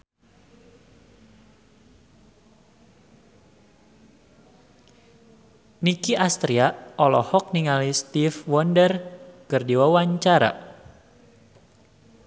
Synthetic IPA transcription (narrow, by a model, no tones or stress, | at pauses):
nikiʔast̪ɾiaʔɔlɔhɔk̚niŋalist̪ifwɔndərkɨrdiwawaɲt͡ʃaɾa̰